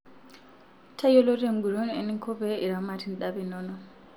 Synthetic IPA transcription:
tʰajɔlɔtɛŋɡuɾɔnɛ̰niŋkʰɔbɛiɾamatinɗabinɔnɔ

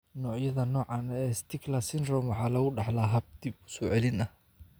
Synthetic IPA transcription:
nɔːʕjɐðɐnɔːʕɑːnɛːst̪ʰɪɡlaːsɪnrɔmwɑħɑːlɐɣʊɖɑħlaɦɐb̚d̪̥ibʊ̥sɔːʕɛlɪnɐ

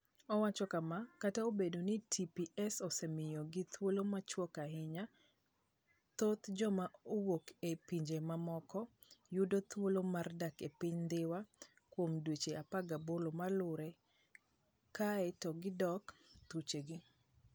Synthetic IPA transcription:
ɔwat͡ʃɔkamakataobedonitʰipiʔɛsɔsɛmɪjɔɡɪt̪wolomat͡ʃwɔkaɦɪɲa | t̪ot̪d͡ʒɔmaowokepiɲd͡ʒemamɔkɔ | judot̪wolomardakepɪɲnd̪ɪwa | kwomdwet͡ʃeapaɡabolomalʊɾɛ | kaɛtɔɡɪdɔkt̪ut͡ʃeɡɪ

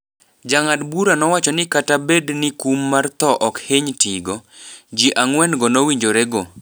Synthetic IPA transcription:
d͡ʒaŋadbuɾanɔwat͡ʃɔnɪkatabednɪkumːart̪ɔʔɔkheɲtiɡɔd͡ʒiʔaŋwɛnɡɔnowiɲd͡ʒoɾɛɡo

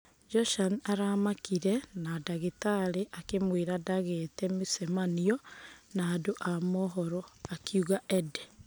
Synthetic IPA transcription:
d͡ʒɔʃanaɾamakiɾɛnadaɣitaɾeʔakemweɾadaɣɛtɛmusɛmaniɔnaːdoʔamɔɦɔɾɔakiuɣaʔɛdɛ

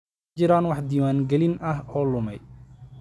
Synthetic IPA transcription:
d͡ʒɪɾaːnwɑħd̪iːwaːnɡɛlɪnʔɐɦɔːlʊmɛ̰j

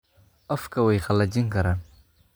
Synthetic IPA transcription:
afkawajxalːad͡ʒiŋkɐɾan

